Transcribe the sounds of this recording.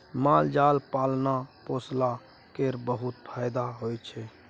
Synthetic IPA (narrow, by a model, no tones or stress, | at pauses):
mald͡ʒalpalnaposla | keɾbəɦut̪pʰaːjd̪aɦojt͡ʃʰɛ